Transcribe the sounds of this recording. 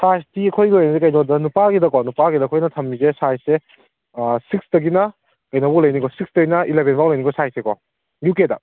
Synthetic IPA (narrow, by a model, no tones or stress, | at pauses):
sajstiɐkʰojɡiojnɐsekɐjnodɐnupaɡidɐkɔnupaɡidɐkʰojnɐtʰɐmnizesajse | sik̚sdɐɡinɐ | kɐjnobɔlɐjnikɔsiksdɐɡinɐilebʱenbawlɐjnikɔsajsekɔ | jukedɐ